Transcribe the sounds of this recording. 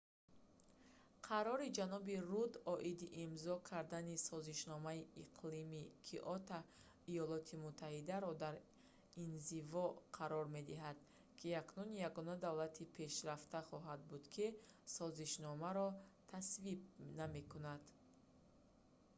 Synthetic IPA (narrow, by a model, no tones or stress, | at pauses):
qʰaɾɔɾid͡ʒanɔbirud̪ɔʔid̪iʔimzɔkʰaɾd̪anisɔziʃnɔmaiiqʰlimikʰiʔɔt̪a | ijɔlɔt̪ʰimut̪ʰːahid̪aɾɔd̪aɾ | inzivɔqʰaɾɔɾme̞d̪iɦad̪̥ | kʰiaknunjaɡɔnad̪avlat̪ʰipʰe̞ʃɾaft̪aχɔɦad̪̚bud̪kʰisɔziʃnɔmaɾɔt̪ʰasvib̚name̞kʰunad̪̥